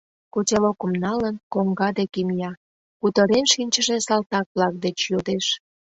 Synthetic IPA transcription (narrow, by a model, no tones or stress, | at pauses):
kotʲelokəmnɑlənkoŋɡɑd̪ekimijɑ | kut̪əɾenʃinʲt͡ɕəʒesɑlt̪ɑk̚βlɑk̚d̪et͡ɕjod̪eʃ